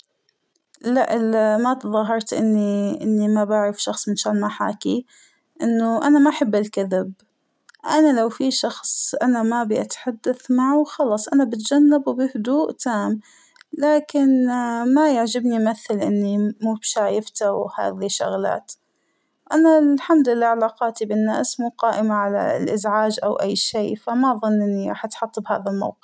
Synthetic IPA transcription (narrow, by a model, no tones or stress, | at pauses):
laʔmat̪ðˤɑɦɑɾˤt̪ʔɪnːiʔɪnːimabaʕɾɪfʃɑxsˤmɪnʃaːlmaħa̰ːki | ʔɪnːʊʔanamaʔaħɪbːɪlkaðɪb | ʔanalawfiʃɑxsˤʔanamabiʔat̪ħad̪ːaθmaʕawxɑlɑːsˤʔanabɪt̪d͡ʒanːabwbɪhʊd̪uːʔt̪ʰaːm | laːkɪnmajaʕd͡ʒɪbniʔmaθːalʔɪnːimuːbʃaːjɪft̪aha̰ːðiʃːʊ̰ɣla̰ːt̪ | ʔanalħamd̪lɪlːaːʕalaːqɑːt̪ibɪnːa̰ːsmuːqɑːʔɪmaʕala̰lʔɪzʕaːd͡ʒʔawʔajːʃiːfamaʔðˤʊnːʔɪnːiɾɑ̰ːħʔɑt̪ħɑt̪ˤːbha̰ːðalma̰wqɨf